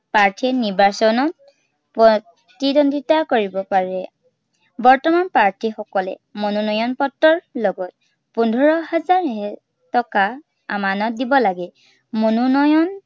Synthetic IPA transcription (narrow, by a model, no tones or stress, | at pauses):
paɹtʰiɛniɹbasɔnɔt̚ | pɹɔ | tidondʱitakoɹibɔpaɹɛ | bɔɹtɔmanpaɹtʰixɔkɔlɛ̰ | monunɔjɔnpɔtːɔɹlɔɡɔt̚ | pundʱɔɹɔɦazaɹɦɛ | tɔka | a̰manɔt̚dibɔlaɡɛ | monunɔjɔn